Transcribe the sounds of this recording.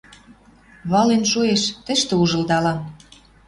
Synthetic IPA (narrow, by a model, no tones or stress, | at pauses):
βɑlenʃueʃt̪ə̆ʃt̪ĕuʒɤ̆ld̪ɑlɑm